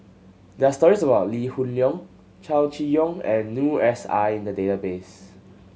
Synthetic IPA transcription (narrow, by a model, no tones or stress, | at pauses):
dɛastɔɹisəbaʊtlihunljɔ̃ŋ | t͡ʃalt͡ʃijɔ̃ŋɛ̃nːjuɛsa̰ɪĩndədetabes